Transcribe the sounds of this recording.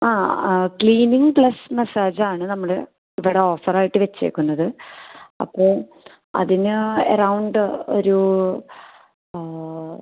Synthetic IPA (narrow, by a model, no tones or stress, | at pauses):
aːkɭiːniŋɡpɭɐsmesaːd͡ʑaːɳɨnɐmːɐɭ | iʋiɽeo̞ːfɐraːjiʈːɨʋet͡ɕːe̞̰ːkːunːɐðɨ | ɐ̰pːo̞ːɭ | ɐ̰ðinɨɐ̰rɐwɳɖo̞ɾu